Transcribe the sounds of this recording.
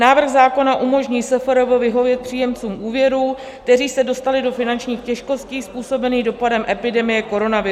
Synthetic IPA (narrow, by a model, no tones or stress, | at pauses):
naːvr̩ɣzaːko̞naʔumo̞ʒɲiːsɛfɛɾovovɪɦo̞vjɛt̪̚pr̝̥iːjɛmt͡suːmʔuːvjɛɾuː | t̪ɛriːsɛdo̞st̪alɪdo̞fɪnant͡ʃɲiːxcɛʃko̞sciːspuːso̞bɛniːɣdo̞padɛmʔɛpɪdɛmɪjɛko̞ɾo̞navɪ